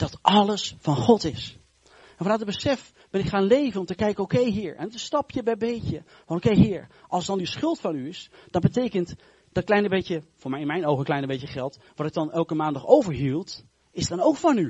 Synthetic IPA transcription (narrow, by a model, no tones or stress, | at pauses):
d̥ɑtʔɑləsfɑnχɔtɪs | ɛnfɑnœtəd̚bəsɛf | b̥ɛnɪkχaːnlejvənɔmtəkɛjkənowkejɦiːɹɛ̰ntəstɑpjəbɛjbejcə | fɑnowkejɦɪːɹʔɑlˠsdɑndəsχʏlˠtfɑnyɪsd̥ɑnbətejkənt | d̥ɑtklɛjnəbejtjəvʊːɹmɛjɪnmɛjnowχənklɛjnəbejtəχɛlˠt | ʋɑtɪɡ̚dɑnɛlˠkəmaːndɑχowvəɹɦilˠt | ɪzdɑnowkfɑny